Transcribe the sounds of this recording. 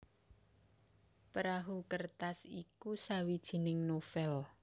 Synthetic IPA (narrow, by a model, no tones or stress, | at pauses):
pɾaɦukərt̪asikusawid̥ʒ̥i̤nɪŋnofɛl